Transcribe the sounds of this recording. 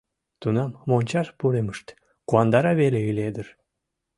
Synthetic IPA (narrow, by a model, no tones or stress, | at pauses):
t̪unɑmmonʲt͡ɕɑʃpuɾeməʃt̪ | kuɑnd̪ɑɾɑβeleyled̪ər